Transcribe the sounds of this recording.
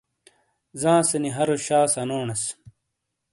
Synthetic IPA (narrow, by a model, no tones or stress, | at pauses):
zãːsɐniɦɐɾoɕaːsɐnoːnɐs